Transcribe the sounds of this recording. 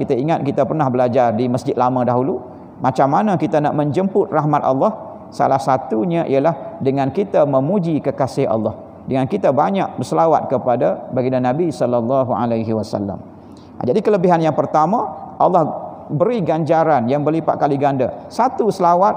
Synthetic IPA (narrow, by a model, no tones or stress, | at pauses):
kit̪aiŋat̪̚kit̪apərnahbəlad͡ʒardiməsd͡ʒɪt̪̚lamãdaɦulu | mat͡ʃamːanãkit̪ana̰ʔmə̃ɲd͡ʒəmpʊt̪̚raɦmat̪ɑ̰lːɑh | sa̰lahsat̪uɲãʔḭalahdəŋãnkit̪aməmud͡ʒikəkasɪhɑ̰lˠːɑh | dəŋankit̪abaɲak̚bərsəlawa̰t̪̚kəpadabaɡinanːãbisɔlːɔlːɑɦua̰lajɦiwasa̰lːa̰m̰ | d͡ʒadikələbiɦanjaŋpərt̪amãʔɑlːɑhbəɾiɡaɲd͡ʒaɾanjaŋbərlipa̰ʔ̪̚kaliɡanda̰sat̪usəlawat̪̚